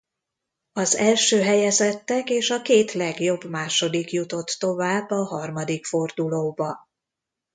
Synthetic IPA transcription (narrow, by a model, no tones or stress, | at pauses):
ɒzɛlʃøːɦɛjɛzɛt̪ːɛkeːʃɒkeːt̪lɛɡjo̞bmaːʃo̞d̪ikjut̪o̞t̪ːo̞vaːbːɒɦɒrmɒd̪ikfo̞rd̪uloːbɒ